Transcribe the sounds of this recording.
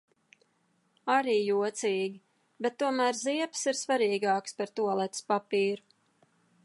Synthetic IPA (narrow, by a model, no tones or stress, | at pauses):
aɾiːjuɔt̪siːɡʲi | bɛt̪ːuɔmæːɾziɛpsiɾsvaɾiːɡɑːkspɛɾt̪uɔlˠɛt̪spapiːɾu